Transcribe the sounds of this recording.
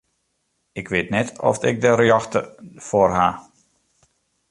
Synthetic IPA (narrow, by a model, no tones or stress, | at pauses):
ɪkʋɪːtnɛtɔ̰fɪk̚dərjɔxtəforɦa